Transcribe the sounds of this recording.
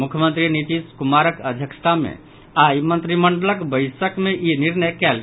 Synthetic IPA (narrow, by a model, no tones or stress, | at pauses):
mukʰjəmənt̪ɾinit̪iskumaɾəkəd̪ʱjəksə̥t̪ʰamḛ | ajmənt̪ɾiməɳɖələkbəɪsəkmeʔiniɾnəjkɛlɡ